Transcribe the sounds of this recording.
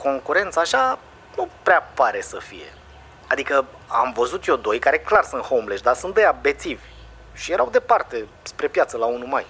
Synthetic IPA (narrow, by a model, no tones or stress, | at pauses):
ko̞ŋkuɾe̞nt̪saːʃa | nupɾeapaɾe̞səfije̞̰ | ad̪ikə | a̰mvəzut̪jod̪o̞jkaɾe̞klarsunt̪howmleʃd̪asunt̪d̪əjabe̞t̪sivʲ | ʃije̞ɾawd̪e̞part̪e̞ | spɾe̞pjat̪səlaunumaj